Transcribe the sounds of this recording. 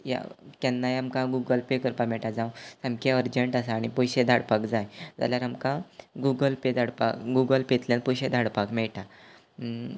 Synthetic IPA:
ja̰kɛnːajamkãɡuɡəlpekəɾpamɛɭʈad͡zãwsamkeəɾd͡ʑəɳʈasaːɽ̃ipɔjɕed̪ʱaɽpakd͡zajd͡za̰ljaɾamkãɡuɡəlped̪ʱaɽpakɡuɡəlpet̪ljanpɔjɕed̪ʱaɽpakmɛɭʈa

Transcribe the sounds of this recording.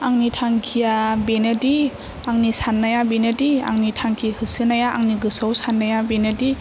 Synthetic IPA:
aŋnitʰaŋkʰijabenadi | aŋnisanːajabenadia̰ŋnitʰaŋkʰihɯsɯnajaʔaŋniɡɯsɔwsanːajabenadi

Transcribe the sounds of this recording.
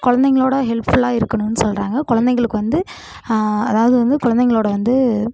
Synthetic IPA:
kʊɻɐnd̪ɛŋɡɐɭoːɽɐɦɛlpfʊɭaːɪɾɯkːɐɳʊnːɯsɔlraːŋɡɐkʊɻɐnd̪ɐɪŋɡɐɭɯkːɯʋɐnd̪ɯ | ɐðaːʋɐðɯʋɐnd̪ɯkʊɻɐnd̪ɛŋɡɐɭoːɽɐʋɐnd̪ɯ

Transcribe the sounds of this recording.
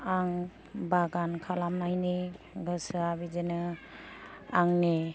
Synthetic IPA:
aŋ | baɡankʰalamnajne | ɡɯsɯabizenɯ | aŋne

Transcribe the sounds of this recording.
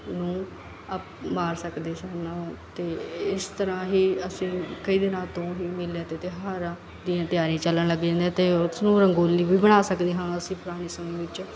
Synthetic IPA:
nũː | əpmaːɾsəkd̪eːsənt̪eːɪst̪əɾãːɦiːəsĩːkəiːd̪ɪnãːt̪õːɦiːmɪljaːt̪eːt̪eːɦaːɾãː | d̪ɪjãːt̪ɪjaːɾiãːt͡ʃəlːəɳləɡd͡ʒãːnd̪ɛ̃ːt̪eːʊsnũːɾəŋɡoːliːbiːbəɽ̃aːsəkd̪iːɦãnəsĩːpʊɾaːɽ̃iːsəmẽːʋɪt͡ʃ

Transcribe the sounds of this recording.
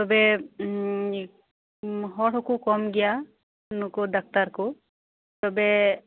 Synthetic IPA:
t̪ɔbɛ | ɦɔʈʰɔkukɔmɡɛja | nukɔd̪ak̚t̪aɾku | t̪ɔbɛ

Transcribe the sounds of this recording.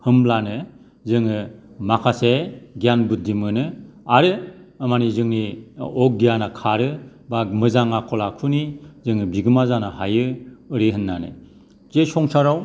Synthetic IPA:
hɯmlanɯ | zɯŋɯ | makʰaseɡijanbut̚dimɯnɯaɾɯamanizɯŋniɔk̚ɡijanakʰaɾɯbamɯzaŋakʰɔlakʰunizɯŋɯbiɡɯmazanahajɯɯɾiɦɯnːanɯ̰ | zesɔŋsaɾaw

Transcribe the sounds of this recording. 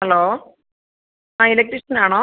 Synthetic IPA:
hɐloː | aːilek̚ʈriʂɐnaːɳoː

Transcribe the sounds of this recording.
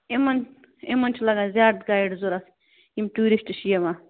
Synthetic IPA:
emɐn | emɐnt͡ʃʰilɐɡaːnzʲaːd̪ɡaːjiɖzuɾɐs | imʈuːɾisʈɨʃijɐmaː

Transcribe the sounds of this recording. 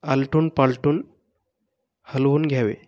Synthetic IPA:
alʈunpalʈuːn | həlʋuːnɡʱjaʋḛ

